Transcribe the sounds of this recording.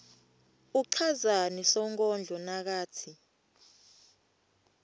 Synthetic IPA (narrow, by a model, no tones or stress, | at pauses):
uǃʰazanisɔŋkʼɔnd͡ɮʱɔnak̬aːtʰi